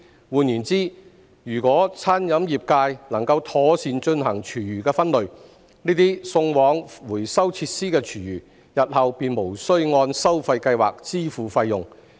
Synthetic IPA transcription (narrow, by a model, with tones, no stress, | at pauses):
wuː˨njiː˨˩nt͡siː˥ | jyː˨˩kʷɔː˨˥t͡sʰaː˥njɐ˨˥mjiː˨p̚kaː˧jnɐ˨˩ŋkɐ˧wt̪ʰɔː˨˥siː˨˧nt͡ʃɵ˧nhɐ˨˩ŋt͡ʃʰyː˨˩jyː˨˩kɛː˧fɐ˥nlɵ˨˧ɥ | niː˥t̪iː˥sʊ˧ŋwɔː˨˥ŋwuː˨˩jsɐ˥wt͡sʰiː˧t̚siː˥kɛː˧t͡ʃʰyː˨˩jyː˨˩ | jɐ˨t̚hɐ˨wpiː˨˧nmo˨˩wsɵ˥ɥŋɔː˧nsɐ˥wfɐ˧jkɐ˧jwa̰ː˨k̚t͡siː˥fuː˨˩fɐ˧jːʊ˨ŋ